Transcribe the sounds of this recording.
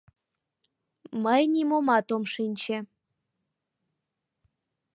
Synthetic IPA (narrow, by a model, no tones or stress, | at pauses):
məjnimomɑt̪omʃinʲt͡ɕĕ